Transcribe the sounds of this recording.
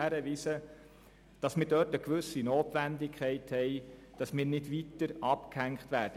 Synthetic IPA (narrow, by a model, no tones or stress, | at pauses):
æɾəʋiːsə | d̥ɑsmɪːɾdœːtəkʋɵsinoːtʋændɪkʰχɛɪthɛɪ | d̥ɑsmɪːɾnɪdʋitəɾɑpkhæŋkχtʋæːɾd̥ə